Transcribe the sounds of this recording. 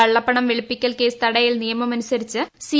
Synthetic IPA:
ɐɭːɐpːɐɳɐmʋeɭipːikʲːɐlke̞ːst̪ɐɽɐjilnijɐmɐmɐnusɐɾit͡ɕːɨsi

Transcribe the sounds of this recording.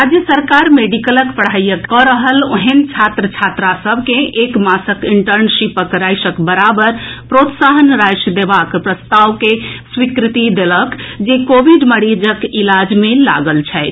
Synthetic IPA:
ɾad͡ʒjəsəɾkaɾmeɖikələkpəɽ̤ajəkːɔɾəɦəloɦent͡ʃʰat̪ɾət͡ʃʰat̪ɾasəbʱkẽʔekmasəkiɳʈəɾnsipəkɾajsəkbəɾabəɾpɾot̪saɦənɾajsəd̪ebakpɾəst̪aʋkeswikɾit̪id̪eləkd͡ʒekobiɖməɽid͡ʒəkilad͡ʒmela̰ɡəlt͡ʃʰɛjt̪

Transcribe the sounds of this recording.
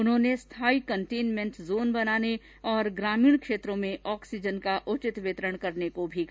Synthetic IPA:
ʊnɦõːnest̪ʰaːikɐ̃ɳʈeːnmẽɳʈzoːnbɐnaːne | ɔːɾɡɾaːmiːɽ̃kʃeːt̪ɾõmẽʔɔːksid͡ʒənkaʔʊt͡ʃɪt̪ʋɪt̪ɾəɽ̃kɐɾnekobʱik

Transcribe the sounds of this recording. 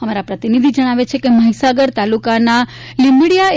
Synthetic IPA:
əmaɾapɾət̪inid̪ʱid͡ʒəɽ̃aʋet͡ʃʰekeməɦisaɡəɾt̪alukana | limbɽijae

